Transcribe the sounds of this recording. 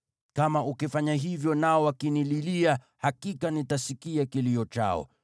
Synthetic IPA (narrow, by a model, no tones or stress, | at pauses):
kamaʔukifaɲaɦivjɔnaɔwakinililia | hakikanitasikiakiliɔt͡ʃa̰ɔ̰